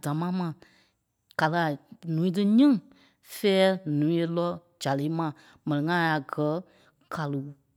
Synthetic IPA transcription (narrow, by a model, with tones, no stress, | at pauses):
d̥ã˨˦mã˨˦mã˨ | ka˨lə˨a˨nũː˨˦ĩ˦t̬ɨ˦ɲĩ˦ | fɛː˦nũː˨˦e˧lɔ˦ | d͡ʒa˨le˨˦mã˧˨ | mɛ̃˨nĩ˨ŋã˦a˨ɡɜ˨˦ | kʰa˨lu˨˦